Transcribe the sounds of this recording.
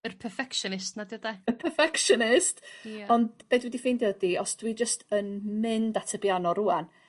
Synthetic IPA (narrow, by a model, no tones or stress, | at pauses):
ərpʰɛrfɛkʃɔnɪstnadiɔdaəpʰɛrfɛkʃɔnɪstɔndb̥eːdwɛdifendɔdiɔsd̥wid͡ʒəstʰənmɪndatʰəbjanɔruan